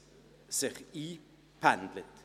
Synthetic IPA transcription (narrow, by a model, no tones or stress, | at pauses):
sɪχiː | pʰænd̪lət̪